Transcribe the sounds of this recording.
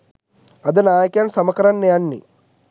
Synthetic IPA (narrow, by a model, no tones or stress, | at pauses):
ɐd̪ɐnaːjkjaːnsɐmɐkɐɾɐnːeɐnːḭ